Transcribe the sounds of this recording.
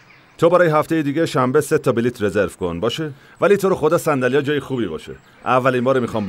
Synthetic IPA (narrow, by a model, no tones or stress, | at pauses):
t̪ʰobæɾɒːjeɦæft̪e̞jed̪iːɟeʃæmbeset̪ʰɒbiliːt̪ʰɾe̞zeɾv̥konbɒːʃe | væliːt̪ʰo̞ɾoxo̞d̪ɒːsænd̪ælijɒːd͡ʒɒːjexuːbiːbɒ̰ːʃḛ | ʔævːælinbɒːɾemixɒːm